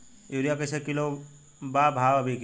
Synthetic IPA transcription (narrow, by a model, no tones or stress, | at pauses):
juɾijakesekɪlo | baːbʱaːʋɐbʱik